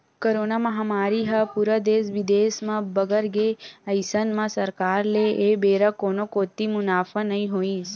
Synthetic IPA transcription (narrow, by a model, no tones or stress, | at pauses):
koɾonaməɦamaɾiɦəpuɾəd̪esʋid̪esmãbəɡəɾɡeəjsənmãsəɾkaɾleʔebeɾəkonokot̪imʊnaːfənəɦĩɦoĩs